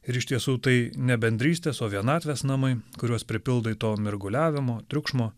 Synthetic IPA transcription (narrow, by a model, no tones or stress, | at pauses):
ɪɾɪʃt̪ʲiɛsuːt̪ɐɪnʲɛbʲɛnʲd̪ʲɾʲiːsʲt̪ʲeːsoːʋʲiɛnɑːt̪ʲʋʲeːsnɐmɐɪkʊɾʲuɔspʲɾʲɪpʲɪlˠd̪ɐit̪oːmʲɛɾɡʊlʲæːʋʲɪmoːt̪ʲɾʲʊkʃmoː